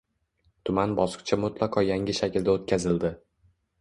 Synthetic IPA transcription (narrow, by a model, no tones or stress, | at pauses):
t̪ʰʊmanbɒsɨ̥qt͡ʃʰamʊt̪ʰlˠaqʰɒjaŋʲɪʃakʲʰɪld̪aot̪̚kʲʰazɪld̪ɪ